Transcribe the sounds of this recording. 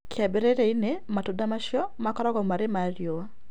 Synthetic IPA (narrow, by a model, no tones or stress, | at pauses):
kʰeabeɾeɾeinematudamaʃjɔmakɔɾɔɣɔmaɾemaɾjoa